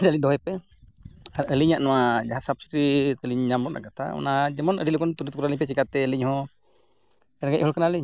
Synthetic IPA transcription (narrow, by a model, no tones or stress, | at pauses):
d͡ʒaliɲd̪ɔɦɛjpɛ | aɾəliɲaʔnɔwad͡ʒaɦasab̚si̥ɾit̪əliɲɲambɔt̪̚ʔa̰kat̪ʰa̰ɔ̰nad͡ʒɛmɔnəɖilɔɡɔnt̪uɾut̪̚kuɾaliɲp̬ɛt͡ʃɛkat̪ɛəliɲhɔ̃ | ɛnɡajʔɦɔlkanaəliɲ